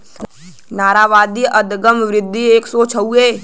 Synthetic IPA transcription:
naːɾaːʋaːd̪iʔəd̪ɡəmʋɾɪd̪ʱːieːksoːt͡ʃʰəueː

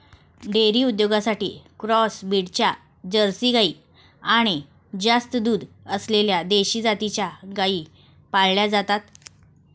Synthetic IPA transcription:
ɖeɾiːud̪joɡasaʈḭːkɾɔsbiɽt͡ɕja | d͡ʑəɾsiːɡaiː | aɽ̃i | d͡ʑast̪əd̪uːd̪ | əsleljad̪eɕiːd͡zat̪it͡ɕjaɡaiː | palljad͡zat̪at̪

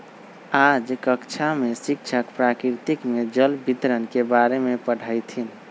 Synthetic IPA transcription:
ad͡ʒkəkt͡ʃʰamesik̚t͡ʃʰəkpɾakɾɾt̪ikmed͡ʒəlbʱit̪ɾənkebaɾemepəɽ̤ʰajt̪ʰin

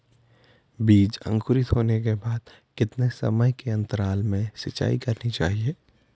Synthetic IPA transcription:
biːd͡ʒə̰̃ŋkʊɾɪt̪ɦoːnekebaːd̪ | kɪt̪nesɐ̰məjkeɐ̃nt̪əɾaːlmẽsɪt͡ʃa̰ːikɐɾnit͡ʃa̰ːɦieː

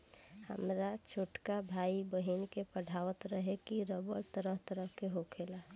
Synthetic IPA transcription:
hə̰mɾat͡ʃʰoʈkabʱaibəɦinkepəɽʱaʋət̪ɾəɦekiɾəbəɾt̪əɾəɦt̪əɾəɦkeɦokʰela

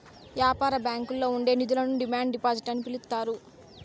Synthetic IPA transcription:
ʋjaːpaːɾɐbjaːŋkulːo̞ːuɳɖe̞ːnid̪ulɐnuɖimaːɳɖɖipaːd͡ʒiʈːɐnːipilut̪ːaːɾu

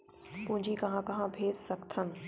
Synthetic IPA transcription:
pʊ̃ɦɪ̃ɲd͡ʑikɐɦãkɐɦãbʱeːzsɐɡt̪ʰənɪ̆

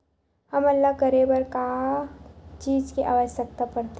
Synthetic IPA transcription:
həmɐlːakəɾebəɾkaa | t͡ʃiːd͡ʒkiʔa̰ːʋəʃək̚t̪apəɾt̪

